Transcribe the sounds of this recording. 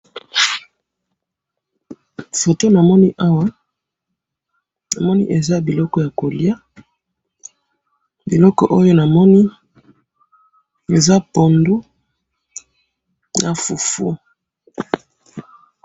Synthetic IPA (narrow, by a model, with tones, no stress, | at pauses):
fo˨to˦na˨mɔ˦ni˦ʔa˦wa˦ | na˨mɔ˦nḭ˦ʔe˨za˦bi˨lɔ˦kɔ˦ja˨ko˨li˦a˦ | bi˨lɔ˦kɔ̰˨ʔo˦jo˦na˨mɔ˦ni˦ | e˨za˦po˨ndu˦ | na˨fu˨fṵ˦